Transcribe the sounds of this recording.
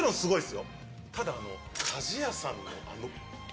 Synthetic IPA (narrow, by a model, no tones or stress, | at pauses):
ɾõñsɨɡo̞isɨjo | t̪ʰad̪aːno̞̰ | kʰaʑijasãnːo̰ʔa̰no